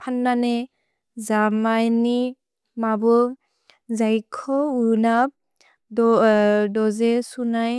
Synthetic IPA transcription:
pʰanːane | zamajni | mabɔ | zajkʰɔunap̚ | dɔdɔzesunaj

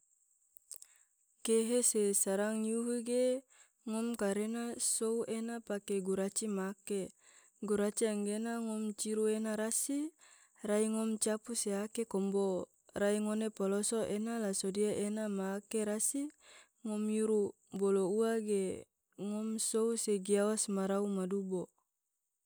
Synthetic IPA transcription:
keɦesesaɾaŋjuɦuɡe | ŋɔmkaɾenasouenapakeɡuɾat͡ʃimake | ɡuɾat͡ʃiaŋɡenaŋɔmt͡ʃiɾuenaɾasi | raiŋɔmt͡ʃapuseakekɔmbo | raiŋonepɔlosoʔenalasodiaʔenamakeɾasi | ŋɔmjuɾu | bolouaɡe | ŋɔmsouseɡiawasmaɾaumadubo

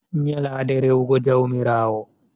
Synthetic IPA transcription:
ɲalaːdɛɾɛwuɡɔd͡ʒawmiɾaːwɔ

